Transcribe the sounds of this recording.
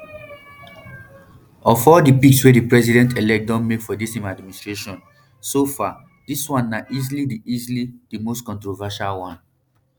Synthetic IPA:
ɔfɔdipikswedipɹɛsidɛ̃ntʰelɛk̚dɔ̃nmekfɔdisẽmadmĩnistɹeʃɔ̃n | sofa | diswãnːaʔizilidiʔizilidimostkɔ̃ntɹovaʃalwãn

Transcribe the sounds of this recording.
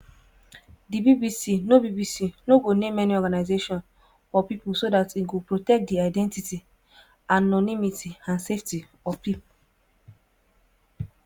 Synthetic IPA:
dibibisinobibisinoɡonemɛniɔɡanaɪzeʃɔ̃n | fɔpipulsodatiɡopɹotɛk̚diaɪdɛ̃ntiti | anɔnimitʰiãnsefti | ɔpipu

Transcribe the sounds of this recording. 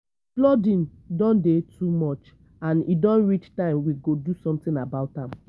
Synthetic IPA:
plɔdĩn | dɔ̃ndetʰumɔt͡ʃ | ãnidɔ̃nɹit͡ʃtãɪ̃mwiɡodusɔ̃mtĩnabaʊtãm

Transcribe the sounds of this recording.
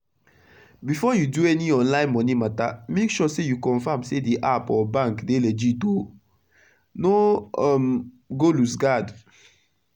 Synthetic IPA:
bifɔjuduɛniɔ̃nlãɪ̃nmɔnimatamekʃɔsejukɔ̃nfãmsediʔapɔbãŋkdelɛd͡ʒito | noɔm | ɡolusɡad

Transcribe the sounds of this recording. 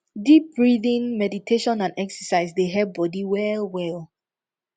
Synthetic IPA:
dip̚bɹiðĩnmɛditʰeʃɔ̃nãnɛksɛsaɪsdeɦɛbɔdiwɛlwɛl

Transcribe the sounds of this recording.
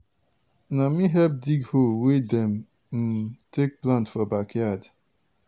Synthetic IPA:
namiɦɛp̚diɡholwedɛ̃m | m̩tʰek̚plãntfɔbakʰjad

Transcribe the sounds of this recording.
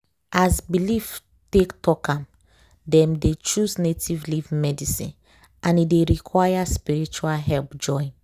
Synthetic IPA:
azbilif | tektɔkãm | dɛ̃mdet͡ʃuznetivlivmɛdisḭ̃n | ʔãnideɹikʰwajaspiɹit͡ʃualɦɛlpd͡ʒɔ̃ɪ̃n

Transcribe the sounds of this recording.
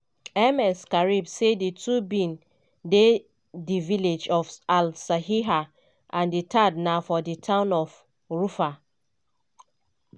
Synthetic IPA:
ɛmɛskaɹibseditʰubĩn | de | diviled͡ʒɔfalsahiɦa | ʔãnditʰadnaʊfɔditʰãʊ̃nɔf | ɹufa

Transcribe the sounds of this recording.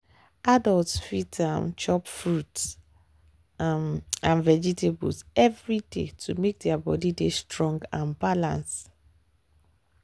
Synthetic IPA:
adɔltsfitdɛ̃mt͡ʃɔpfɹuts | ãnvɛd͡ʒitʰebulsɛvɹidḛtʰumek̚dɛabɔdidestʰɹɔ̃ŋɡãnbalã̰ns

